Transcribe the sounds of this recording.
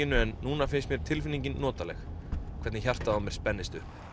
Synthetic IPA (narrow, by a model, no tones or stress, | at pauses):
ɪnːʏɛnːuːnafɪnst̪mjɛɾ̥t̪ʰɪlfɪnːiɲcɪnːɔːt̪alɛxkʰɛt̪nɪçar̥t̪aamjɛɾ̥spɛnːɪst̪ʏhp